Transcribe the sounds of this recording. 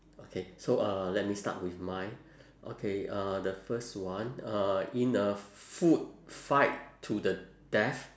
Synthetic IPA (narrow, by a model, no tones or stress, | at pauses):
okʰesoʌlɛt̚mista̰t̚wifmãɪ | ʔo̰kʰeʌdəfəstwãnʌĩnəfut̚faɪttʰːudə | d̥ɛf